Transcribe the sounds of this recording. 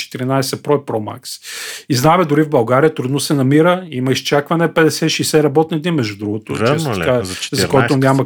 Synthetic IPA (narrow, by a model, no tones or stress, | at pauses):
t͡ʃɛ̥t̪iɾinajsɛpɾɔipɾɔma̰ksiznaɛmɛd̪ʊɾivbɐlˠɡaɾijət̪ɾud̪nosɛnɐmiɾəimɐist͡ʃakvɐnɛpɛd̪ɛsɛʃɛjsɛɾɐbɔt̪nid̪nimɛʒd̪ud̪ɾuɡʊt̪ʊ̰t͡ʃɛkazɐkkɔɔt̪ʊnʲamɐ